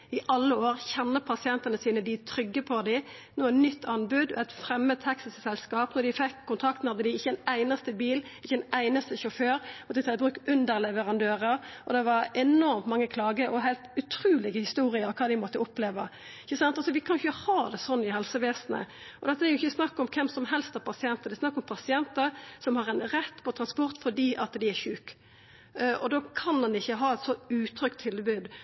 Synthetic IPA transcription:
ɪʔɑlːəoːɾçɛnːəpʰɑsɪɛnt̪ənəsiːnəd̪ɪt̪ʰɾʏɡːəpʰɔd̪ɪnoːɛnnʏt̪ːɑnbʉd̪ɛt̪fɾɛmːəhɛksɪsəsɛlskɑːpnɔɾd̪ɪfɛkʰːʊnt̪ʰɾɑk̚t̪nhɑd̪ːəd̪ɪɪçːəɛnæɪnɑst̪əbiːlɪçːəɛnæɪnɑst̪əʃɔføːɾmɔt̪ːət̪ʰɑt̪bʁʉːkʉnd̪əɾlɛʋəʁɑnd̪øːʁəɾʔɔ̰d̪ɛʋɑɾɛnɔɾmt̪mɑŋːəkʰlɑːɡəʔɔɦæɪlt̪ʉt̪ʰɾʉːlɪɡəhɪst̪uːɾɪəɾɔkʰɑːd̪ɪmɔt̪ːəʊpleːʋə | ɪçəsɑnt̪ɑsɔʋɪkʰɑnjʊçəhɑːd̪ɛsɔnːɪhɛlsəʋeːsnə̰ | ʔɔd̪ɛt̪ːəæɾjʊɪçːəsnɑkːɔmkʰɛmsɔmɦɛlst̪æɾpʰɑsɪɛnt̪əd̪æɪsnɑkːɔmpʰɑsɪɛnt̪əɾsɔmhɑɾɛnɾɛt̪ːpʰɔt̪ʰɾɑnspɔɾt̪fɔdiːʔɑt̪d̪ɪæçʉːk | ɔ̰d̪oːkʰɑnd̪ɑnɪçːəɦɑːɛt̪sɔʉːt̪ʰɾʏkt̪ʰːɪlbʉːd̪

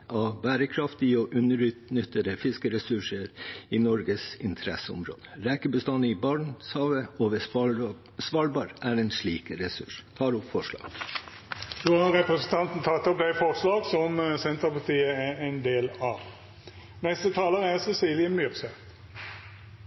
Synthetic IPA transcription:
ɑʋbæːɾəkʰɾɑft̪ɪəɔʔʉnəɾʉːt̪nʏt̪ːəd̪əfɪskəɾɛsʉʂəɾiːnɔɾɡəsɪnt̪ʰəɾɛ̰səʊ̰mɾo̰ːd̪əɾɛːkəbəst̪ɑnəiːbɑɳshɑːʋəoːʋə | sʋɑːlbɑːɾæɾenʂɭiːkɾɛsʉ̰ʂt̪ʰɑːɾʊpfɔʂlɑ̰ːɡ̥ | d̪ʉhɑɾɛpɾəsənt̪ʰɑnt̪n̩t̪ʰɑt̪ːɔp̚d̪æɪfɔʁʂlɑːɡsɔmsɛnt̪əɾpɑt̪iːəæɛnd̪eːlɑʋ | nɛst̪ət̪ʰɑːləʁəæɾsɛsiːlɪəmyʁsə

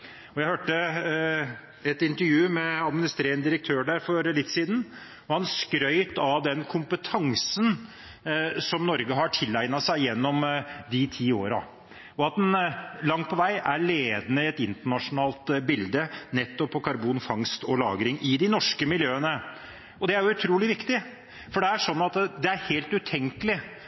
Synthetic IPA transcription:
ɔjæɪhøːʈːə | ɛt̪ɪnt̪əɾjʉːmɛɑd̪mɪnɪst̪ɾeːɾənəd̪ɪɾək̚t̪ʰøːɾɖæɾfɔɾlɪt̪ːsiːd̪n̩ | ɔhɑnskɾœʏt̪ɑʋd̪ɛnkʰʊmpət̪ʰɑŋsən | sɔmnɔɾɡəɦɑʈʰɪlːæɪnɑsæɪjɛnːɔmd̪ɪt̪ʰiːoːɾɑ̰ | ɔɑt̪̚d̪ɛnlɑŋːpʰɔʋæɪʔæɾɭeːd̪nəɪɛt̪ɪnt̪əɳɑʂʊnɑːlt̪bɪld̪ənɛt̪ːɔpʰːɔkʰɑɾbuːnfɑŋst̪ʰɔlɑ̰ːɡɾɪŋʔɪd̪ɪnɔʂkəmɪljøːənə | ɔd̪ɛæɾjʊʉt̪ʰɾuːlɪʋɪkt̪ɪ | fɔɖɛæʂɔnːɑt̪d̪ɛæɾheːlt̪ʉt̪ʰɛŋkəlɪ

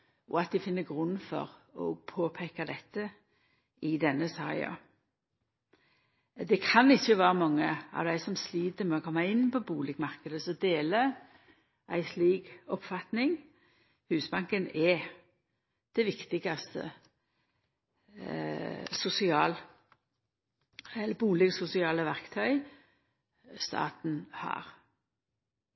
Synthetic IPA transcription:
ɔɑt̪̚d̪ɪfɪnːəɡʁʉnːfɔ̰ʁɔ̰pʰoːpʰeːkɑd̪ɛt̪ːə | ɪd̪ɛnːəsɑ̰ːɪɑ̰ | d̪ɛkʰɑnɪçːəʋæːɾəmɑŋːəɑ̰ʋd̪æɪsɔmsliːd̪əmɛɔkʰɔmːɑɪnːpɔbuːlɪɡmɑʁkəd̪əsɔd̪eːlə | ʔæɪsliːɡɔpfɑt̪nɪŋ | hʉːsbɑŋkənɛ | d̪̥ɛʋɪkt̪ɪɡɑst̪ə̰ | sʊsɪɑːl | ɛlːəbuːlɛɡsʊsɪɑːləʋæʁkt̪ʰœʏ | st̪ɑ̰ːt̪n̩hɑ̰ːɾ

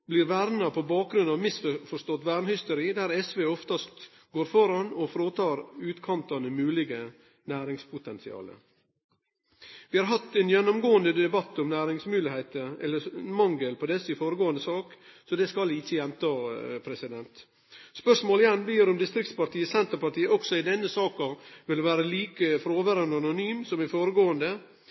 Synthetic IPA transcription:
blɪɾʋæɾnɑpʰɔbɑːk̚ɡɾʉnɑʋmɪsffɔʂt̪ɔt̪ʋæɾnhʏst̪ʊɾiːd̪æɾɛsʋeːɔft̪ɑst̪ | ɡoːɾfɔɾɑnɔfɾoːt̪ʰɑːɾʉːt̪kʰɑnt̪ɑnəmʉːlɪɡə | næːɾɪŋspʰʊt̪ʰɛnsɪɑ̰ːlə̰ | ʋɪhɑːɾɦɑt̪ːɛnjɛnːʊmɡoːənd̪əd̪ɛbɑt̪ːɔmnæːɾɪŋsmʉːlɪhɛɪt̪əɛlːəɾmɑŋɡəlpɔd̪ɛsəɪfoːɾəɡoːənd̪əsɑːksɔd̪ɛskɑlɪçːəjɛmt̪ʰɑːpʰɾɛsɪd̪ɛnt̪ | spœʂmoːlɪjɛnːbliːɾʊmd̪ɪst̪ɾɪk̚t̪spɑʈiːəsɛnt̪əɾpɑʈiːəɔksɔɪd̪ɛnːəsɑːkɑʋɪlʋæːɾəliːkəfɾoːʋəɾənɑnʊnyːmsɔmɪfoːɾəɡoːənd̪ə

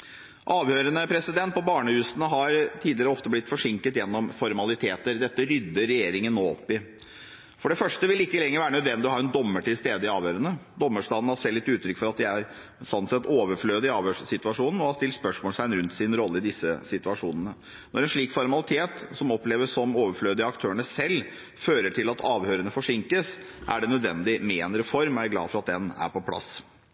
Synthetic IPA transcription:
ʔɑːʋhøːɾənəpʰɾɛsɪd̪ɛnt̪̚pɔbɑːɳəhʉːsənəɦɑɾt̪ʰiːd̪lɪɾəɔft̪əblɪt̪ːfɔʂɪŋkət̪jɛnːɔmfɔɾmɑlɪt̪ʰeːt̪əɾd̪ɛt̪ːəɾʏd̪ːəɾːɛjeːɾɪŋənːoːɔ̰pːɪ | fɔɖɛfœʂʈəʋɪlɪkːəlɛŋːəɾʋæːɾənœd̪ʋɛnd̪ɪɔhɑːɾɛnd̪ɔmːəʈɪlst̪eːd̪əɪɑːʋjøːɾənəd̪ɔmːəʂʈɑːd̪n̩hɑseːlːɪt̪ːʉːt̪ʰɾʏkfɔɾɑt̪̚d̪ɛæɾ | sɔnt̪sɛt̪ːoːʋəɾfløːd̪əɪɑːʋhøːʂsɪt̪ʉɑʂuːnn̩ɔhɑst̪ɪlt̪spœʂmoːlsæɪɛnɾʉnt̪sɪnɾɔlːəɪd̪ɪsːəsɪt̪ʉɑʂuːnənə | nɔɾɛnʂɭiːkfɔɾmɑlɪt̪ʰeːt̪sɔmɔpleːʋəsɔmoːʋəɾfløːd̪əəɑkt̪ʰøːəɳəsɛlː | føːɾəʈʰɪlɑt̪ʰɑːʋhøːɾənəfɔʂɪŋkəs | ʔæ̰ɖɛnœd̪ʋɛ̰nd̪ɪmeɛnɾɛfɔɾmæɾɡlɑ̰ːfɔɾɑt̪̚d̪ɛnæ̰ɾpʰɔpʰlɑ̰s

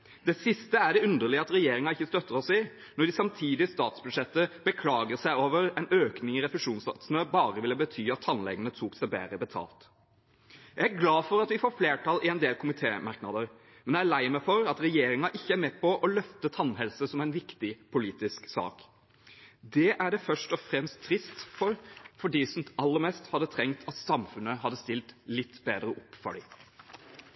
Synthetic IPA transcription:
d̪̥ɛsɪst̪əæɖɛʉnd̪əɾɭɪəɑt̪ɾɛjeːɾɪŋɑɪçːəst̪œt̪ːəɾɔsɪ | nɔɖɪsɑmt̪ʰiːd̪ɪst̪ɑːt̪sbʉd̪ʂɛt̪ːəbəkʰlɑːɡəʁsæɪoːʋəɾɛnøːknɪŋɪɾɛfəʂuːnsɑ̰t̪snəbɑːɾəʋɪlːəbət̪ʰyːɑt̪ʰːɑnlɛ̰ɡənət̪ʰuːksæɪbæ̰ːɾəbət̪ʰɑ̰ːlt̪ | jææɡlɑːfɔɾɑt̪ʋɪfoːfleːʈʰɑlɪɛnd̪eːlkʰʊmɪt̪ʰḛːmɑɾknɑd̪əɾ | mɛnjææɭæɪmɛfɔɾɑt̪ɾɛjeːɾɪŋɑʔɪçːəæɾmɛːpʰɔʔɔlœft̪ət̪ʰɑnːɦɛlsəsɔmæɪnʋɪkt̪ɪpʰʊliːt̪ɪsksɑ̰ːk | d̪ɛʔæɖɛfœʂʈɔfɾɛmst̪ʰːɾɪst̪fɔɾfɔɖiːsɔmɑlːəɾmɛːst̪hɑd̪ːət̪ʰɾɛŋkt̪ʰɑt̪sɑmfʉnəɦɑd̪ːəst̪ɪlt̪lɪt̪ːbeːd̪ɾəʔʊpːfɔ̰ɖiː

